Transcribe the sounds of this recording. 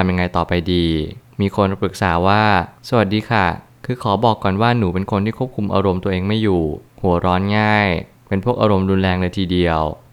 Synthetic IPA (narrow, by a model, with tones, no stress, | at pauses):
t̪ʰa˧mja˧ŋa˧jt̪ɔː˨˩pa˧jdiː˧miː˧kʰo˧n˧pɾɯ˨˩k̚saː˩˦waː˥˩sa˧wa˨˩diː˧kʰa˥˩ | kʰɯː˧kʰɔː˩˦bɔː˨˩kːɔː˨˩nwaː˥˩nuː˩˦pe˧nkʰo˧nt̪ʰiː˥˩kʰu˥˩p̚kʰu˧mʔa̰˧ɾo˧mt̪u˧əʔeː˧ŋma˥˩jːuː˨˩hu˩˦ɐɾɔː˦˥nŋaː˥˩j | pe˧npʰu˥˩ək̚ʔaː˧ɾo˧mduː˧nlɛː˧ŋlɤː˧jt̪ʰiː˧di˧əw